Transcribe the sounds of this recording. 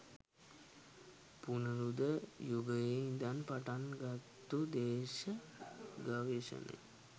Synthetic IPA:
punəɾud̪əjuɡəjend̪anpaʈanɡat̪ːud̪eːʃə | ɡaʋeʃə̰nḛ

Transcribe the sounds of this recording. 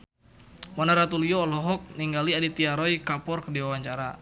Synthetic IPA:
mɔnaɾat̪uliɔːlɔɦɔk̚niŋɡaliadit̪iaɾɔjkapɔrkdiwawaɲt͡ʃaɾa̰

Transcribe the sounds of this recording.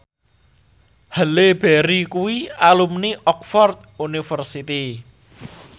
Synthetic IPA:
həleb̥ɛɾikuwialumniʔɔk̚fɔrt̪̚unifərsit̪i

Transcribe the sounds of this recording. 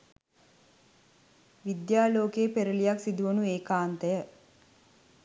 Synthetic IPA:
ʋid̪jaːloːkeːpeɾəlijaksid̪uʋənueːkaːnt̪əjə

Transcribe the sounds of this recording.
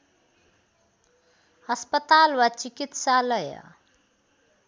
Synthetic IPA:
ʌspʌt̪alwat͡sikit̪salʌjʌ̰

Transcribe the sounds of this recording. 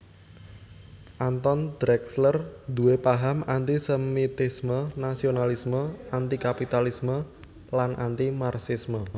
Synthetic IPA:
ʔant̪ɔnd̪̥ɾɛkslərd̪uepaɦamant̪isəmit̪ismənasionalisməant̪ikapit̪alismə | lanʔa̰nt̪imarsismə

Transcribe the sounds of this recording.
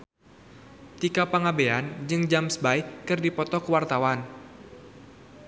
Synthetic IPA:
t̪ikapaŋabeand͡ʒɨŋd͡ʒamsəbaikɨrdipɔt̪ɔkəwart̪awan

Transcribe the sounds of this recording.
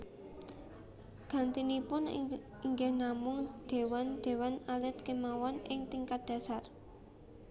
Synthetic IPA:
ɡ̥a̤nt̪inipʊn | iŋɡɛhnamʊŋd̥e̤wanɖ̪̥e̤wanalɪt̪̚kemawɔnʔɪŋt̪iŋkat̪̚d̪̥ä̤sar

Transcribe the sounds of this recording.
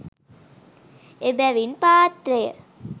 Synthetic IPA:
ebæʋinpaːt̪ɾejə̰

